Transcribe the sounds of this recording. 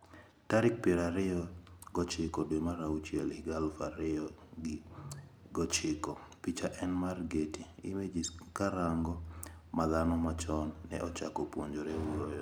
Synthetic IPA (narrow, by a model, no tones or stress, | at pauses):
taɾɪk̚peɾaɾɪɔɡɔt͡ʃɪkɔdemaɾaut͡ʃjɛlɪɡalfaɾɪɔɡɪ | ɡɔt͡ʃɪkɔpit͡ʃaʔɛnmarɡetiimed͡ʒiskaɾaŋɡɔmad̪anɔmat͡ʃɔnːɛ̰ʔɔt͡ʃa̰kɔpwoɲd͡ʒoɾeuɾojɔ